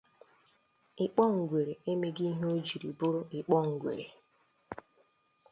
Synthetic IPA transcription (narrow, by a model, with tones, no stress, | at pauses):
ɪ˨k͡pɔ˦ŋ̩˨ɡʷe˨ɾe˨e˦me˦ɡi˦ɦo˦d͡ʒi˨ɾḭ˨bʊ˦ɾʊ˦ɪ˨k͡pɔ˦ŋ̩˨ɡʷḛ˨ɾḛ˨